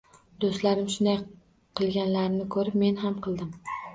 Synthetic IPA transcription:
d̪ost̪laɾɪmʃʊnd̪aj | qʰɨlˠɡʲanlaɾnɪkʰɵɾɪpme̞nɦamqʰɨlˠd̪ɪm

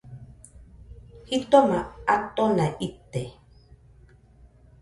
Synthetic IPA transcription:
hit̪omaat̪onaʔit̪ːe

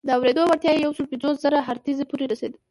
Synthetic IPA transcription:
d̪əawɾed̪owaɾt̪jɑjejawsəlpinzoszəɾaɦaɾt̪izepuɾeɾased̪ə

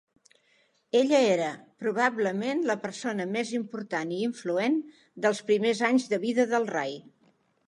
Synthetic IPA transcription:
eʎəeɾəpɾuβ̞abləmenləpəɾsonəmezimpuɾt̪aniːɱfluen | d̪əlˠspɾimezaɲzðəβiðəðəlˠrej

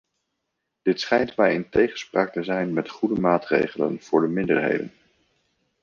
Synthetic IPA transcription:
d̥ɪtsχɛjntmɛjɪntejχənspraːk̚təzɛjnmɛtχudəmaːtrḛjχələ̰nv̥ʊːɹdəmɪndə̰ɹɦḛjdə̰n

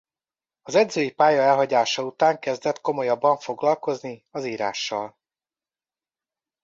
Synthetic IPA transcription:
ɒzɛɟzøːjipaːjɒɛlɦɒɟaːʃɒut̪aːŋkɛzd̪ɛt̪ko̞mo̞jɒbːɒɱfo̞ɡlɒlko̞zniɒziːɾa̰ːʃːɒ̰l

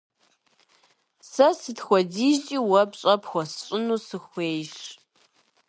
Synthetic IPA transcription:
sɐsɨtxʷɔdiːʒt͡ʃʼiːwɐpɕʼɐpxʷɔsɨ̥ɕʼɪnuːsɨxʷeːjʂ

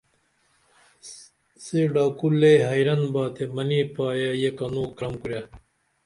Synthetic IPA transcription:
siɖaːkulːeɦɐjɾɐnbaːt̪ʰemɐniːpaːjajekɐnoːkɾɐmkuɾja

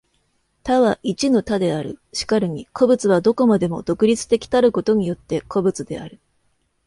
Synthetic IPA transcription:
t̪aβaʔit͡ɕino̞t̪ad̪e̞aɾɯ̟̰ɕi̥kaɾɯ̟ɲ̟ikʰo̞bɯ̟t͡sɨβad̪o̞ko̞mad̪e̞mo̞̰d̪o̞kɯ̟ɾʲit͡sɨ̥t̪e̞kʲi̥t̪aɾɯ̟ko̞t̪o̞ɲ̟ijo̞t̪ːe̞kʰo̞bɯ̟t͡sɨd̪e̞aɾɯ̟

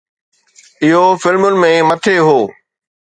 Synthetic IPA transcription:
ɪɦofɪlmʊnɪ̆mẽmɐt̪ʰeɦoː

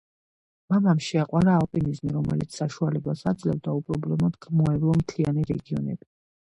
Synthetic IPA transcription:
mamamʃɛaqʼwaɾaɔpʼinizmiɾɔmɛ̰lit̪sʰsaʃualɛbasad̪zlɛvd̪aupʼɾɔblɔmɔd̪ɡmɔɛblˠɔmt̪ʰlianiɾɛɡiɔ̰nɛ̰b̥i

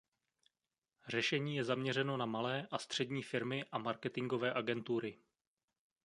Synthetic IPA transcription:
r̝ɛʃɛɲiːjɛzamɲɛrɛno̞namalɛːʔast̪r̝̥ɛdɲiːfɪɾmɪʔamaɾkɛt̪ɪŋɡo̞vɛːʔaɡɛnt̪uːɾɪ

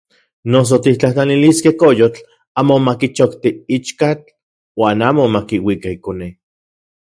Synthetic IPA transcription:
nos̬ot̪it͡ɬaht͡ɬaniliskehkojot͡ɬ | aːmomakit͡ʃokt̪iit͡ʃkat͡ɬ | waːnaːmomakiwikaikone

